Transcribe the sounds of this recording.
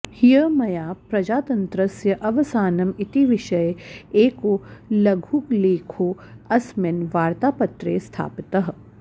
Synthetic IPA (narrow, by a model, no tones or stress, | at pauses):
hijəmɐjaːpɾɐd͡ʒaːt̪ɐ̃nt̪ɾɐsjɐʔɐʋɐsaːnɐmɪt̪iʋɪʃɐjeeːkolɐɡʱuːkleːkʰoːɐsmenʋaːɾt̪aːpɐt̪ɾeːst̪ʰa̰ːpɪt̪ɐɦ